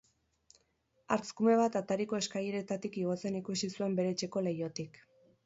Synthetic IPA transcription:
aɾt͡skume̞β̞at̪at̪aɾiko̞e̞skajeɾe̞t̪at̪ikiɣo̞t͡se̞nikusisue̞mbe̞ɾe̞t͡ʃe̞ko̞le̞jo̞t̪ik

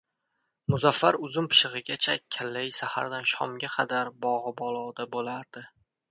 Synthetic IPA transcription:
mʊzafːaɾʊzʊmpʰɪ̥ʃɪʁɨɡʲat͡ʃʰakʲʰalːajsaha̰ɾd̪anʃɒ̰mɡʲaqʰɑd̪aɾbɒʁɨbɒlˠɒd̪abolaɾd̪̥ɪ

